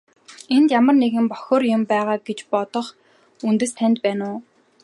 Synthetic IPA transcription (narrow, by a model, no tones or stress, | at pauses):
ent̪jamə̆rneɣɘ̆mpɔxʲoːrjʊmpæːʁaːɡet͡ɕpɔt̪ɞ̆χ | unt̪ɘ̆st̪ʰænt̪̚pæːnʊː